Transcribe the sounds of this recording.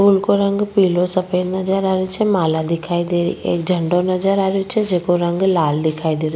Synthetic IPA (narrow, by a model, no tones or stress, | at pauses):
ulkoɾə̃ŋɡpiːlosəpənɐd͡ʒəɾaːɾot͡ʃʰɛmaːlad̪ɪkʰaːid̪eːɾḭḛːkd͡ʒʱəɳɖonəd͡ʒəɾaːɾjot͡ʃʰɛd͡ʒeːkoɾə̃ŋɡlaːld̪ɪkʰaːid̪eːɾ